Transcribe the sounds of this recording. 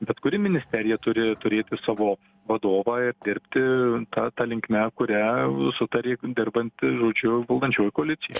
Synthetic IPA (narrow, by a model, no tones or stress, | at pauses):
bʲɛt̪kʊɾʲɪmʲɪnʲɪsʲt̪ʲæɾʲɪjɛt̪ʊɾʲɪt̪ʊɾʲeːt̪ʲɪsɑːʋoː | ʋɐd̪oːʋɑːɪrd̪ʲɪɾʲpʲt̪ʲɪt̪ɑt̪ɐlʲɪŋkmʲɛkʊɾʲɛsʊt̪ɐɾʲeːd̪ʲɪrbɐnʲt̪ʲʒoːd͡ʒʲʊʋɐlˠd̪ɐnʲt͡ʃʲoːjkoːɐlʲɪt̪ʲɪjɛ